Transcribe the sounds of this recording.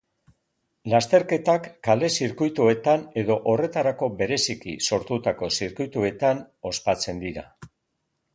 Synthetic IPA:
last̪e̞ɾke̞t̪akːale̞siɾkujt̪ue̞t̪ane̞ðo̞ʔore̞t̪aɾako̞be̞ɾe̞sikḭso̞ɾt̪ut̪ako̞siɾkujt̪ue̞t̪an | o̞spat͡se̞nd̪iɾa̰

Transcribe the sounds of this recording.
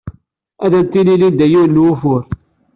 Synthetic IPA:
æðænt̪ːililid̪æjuɾnːwufʊɾ

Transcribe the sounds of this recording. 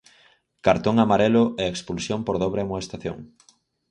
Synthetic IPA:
kaɾt̪oŋamaɾɛlʊʔɛekspulsjompoɾðɔβɾemoest̪aθjo̰ŋ

